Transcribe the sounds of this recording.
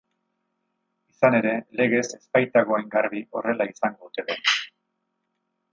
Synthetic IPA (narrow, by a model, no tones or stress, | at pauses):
isane̞ɾe̞le̞ɣ̞e̞se̞spajt̪aɣo̞ajŋɡaɾβiʔo̞re̞laisaŋɡo̞ðut̪e̞ðe